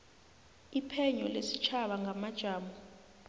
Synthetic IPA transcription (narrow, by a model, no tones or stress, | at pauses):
ipʰɛɲɔlesit͡ʃʰaɓaŋɡʱamad̥ʒ̥ʱaːmɔ